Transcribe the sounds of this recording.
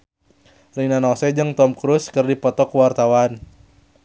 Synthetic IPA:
rinanɔsɛd͡ʒɨŋt̪ɔmkɾuskɨrdipɔt̪ɔkwart̪awan

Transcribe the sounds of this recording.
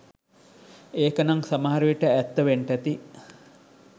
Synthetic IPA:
eːkənaŋsamɐɦaɾuʋiʈəæt̪ːəʋeɳʈæt̪i

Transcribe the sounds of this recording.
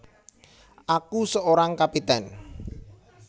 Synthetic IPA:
ʔakusəoɾaŋkapit̪ɛn

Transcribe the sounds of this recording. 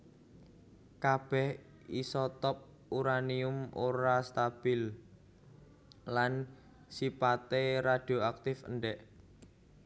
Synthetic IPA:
kab̥ɛh | isɔt̪ɔp̚ | uɾaniʊmʔoɾast̪ab̥ɪl | lan | sipat̪eɾad̥oak̚t̪ɪfə̰ɳɖɛʔ

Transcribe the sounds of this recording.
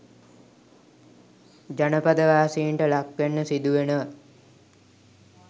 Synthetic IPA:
d͡ʒanəpad̪əʋaːsiːɳʈəlakʋenːəsid̪uʋenə

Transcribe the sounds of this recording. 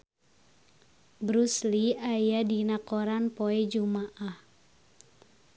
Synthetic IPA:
bɾusliajadinakɔɾanpoɛd͡ʒumaʔah

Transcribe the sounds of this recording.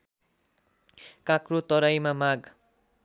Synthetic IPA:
kãkrot̪ʌɾajmamaɡ

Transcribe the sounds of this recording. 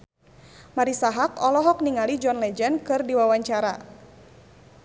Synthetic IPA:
maɾisaɦakɔlɔɦɔk̚niŋalid͡ʒɔnlɛd͡ʒɛnkɨrdiwawaɲt͡ʃaɾa̰

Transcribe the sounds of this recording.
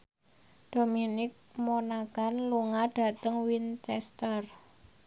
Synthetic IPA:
d̥ominɪk̚monakanluŋaɖ̥a̤t̪əŋwint͡ʃɛst̪ər

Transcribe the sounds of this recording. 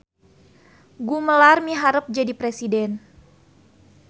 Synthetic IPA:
ɡuməlarmiɦaɾəp̚d͡ʒadipɾesidɛn

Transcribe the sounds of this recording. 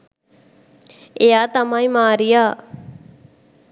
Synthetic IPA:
eaːt̪əmãːĩːmaːɾijaː

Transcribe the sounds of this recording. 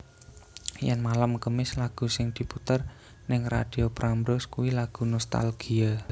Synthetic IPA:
janmalamkəmɪslaɡ̥ṳsɪŋd̪̥i̤put̪ər | nɪŋra̰d̪̥iopɾʔambɾɔskuwilaɡ̥ṳnɔst̪a̰lɡ̥ia

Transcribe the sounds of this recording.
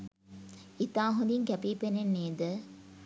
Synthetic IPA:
it̪aːɦud̪iŋkæpiːpenenːeːd̪ə

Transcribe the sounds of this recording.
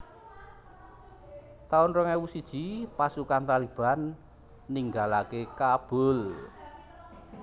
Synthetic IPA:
t̪aʊnrəŋewusid̥ʒ̥i̤pasukant̪alib̥a̤nː | iŋɡalakekab̥ʊ̤l

